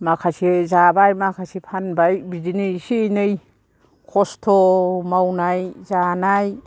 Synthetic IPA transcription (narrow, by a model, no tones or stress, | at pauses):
makʰasizabajmakʰasipʰanbajbidinɯjsinɯj | kʰɔstʰɔmawnajzanaj